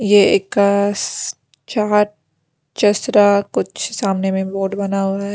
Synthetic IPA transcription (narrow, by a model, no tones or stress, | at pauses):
jeeːkːa | t͡ʃaːɾ | t͡ʃɐsɾakʊt͡ʃʰsaːmnemẽboːɖbɐnaɦoːɾaɦɛ